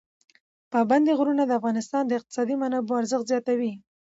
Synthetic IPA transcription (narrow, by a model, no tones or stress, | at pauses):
pɑband̪eɣɾunad̪əafɣɑnɪst̪ɑnd̪əɪq̚t̪ɪ̥sɑd̪imanaboaɾzəxt̪zjɑt̪awi